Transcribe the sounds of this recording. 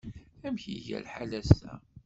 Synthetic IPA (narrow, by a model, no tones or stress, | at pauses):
æmçiʝæ̰lħalæst̪æ